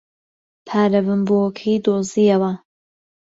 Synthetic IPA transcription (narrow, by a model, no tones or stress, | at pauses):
pʰaːɾɐβɨmboːkʰijd̪oːziɐwɐ